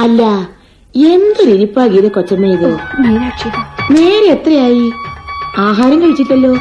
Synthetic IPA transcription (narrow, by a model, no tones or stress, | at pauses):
ɐlːɐ | e̞nd̪ɨriɾipːaːkijɐðekot͡ɕːɐmːejiðoː | neːɾeet̪rɐjaːji | aːɦaːɾɐŋɡɐʋit͡ɕːiʈːɐlːo̞ː